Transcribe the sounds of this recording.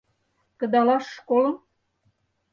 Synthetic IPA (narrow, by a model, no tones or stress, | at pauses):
kə̆d̪ɑlɑʃːkolə̆m